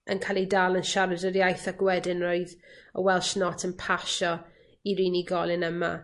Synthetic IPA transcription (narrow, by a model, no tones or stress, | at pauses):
ənkʰalˠidaːlˠənʃaɾədəɾjajθaɡ̥wɛdɪnroɨðɔ̰wɛlˠʃnɔtʰənpʰaʃɔ | iɾiːniɡɔlˠɪnəma̰